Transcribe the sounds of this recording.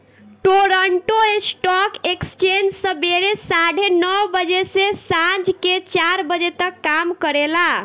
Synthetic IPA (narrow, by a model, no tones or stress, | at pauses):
ʈoɾəɳʈoesʈɔkekst͡ʃend͡ʒsə̃beɾesaɽ̤ʱenəwbəd͡ʒesesãd͡ʒʱket͡ʃaɾbəd͡ʒet̪əkːamkəɾela